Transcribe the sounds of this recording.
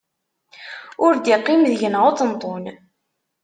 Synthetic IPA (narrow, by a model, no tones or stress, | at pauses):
ʊɾd̪iqːimðəʝənʁot͡sənt̪ˤːon